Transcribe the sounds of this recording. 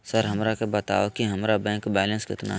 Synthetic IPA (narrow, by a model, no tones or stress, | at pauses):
səɾɦɐmɾakebɐt̪a̰ːokiɦɐmɾabɛ̃ːŋkbɛːlə̃nskɪ̰t̪na̰